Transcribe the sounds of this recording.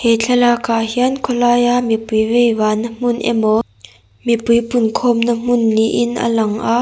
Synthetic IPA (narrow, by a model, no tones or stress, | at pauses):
hɛt͡ɬʰɛlaːkahiankʰɔlaːjamipujvejvaːnːəm̥ʊnʔɛ̰mɔ | mipujpʊnkʰɔmnɐm̥ʊnːiʔɪnʔa̰lɐŋʔaʔ